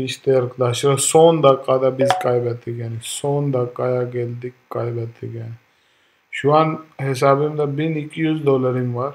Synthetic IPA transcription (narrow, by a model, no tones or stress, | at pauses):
iʃt̪eɾkʰd̪aːsiɾosoːnd̪akaːd̪abizkaːjbat̪iɡaːnisoːnd̪akːaːjaɡeːld̪ikːaːjbaːt̪ʰḭɡaːni | ʃuwanɦis̬aːbimd̪abinikjuːzd̪oːləɾimʋɐɾ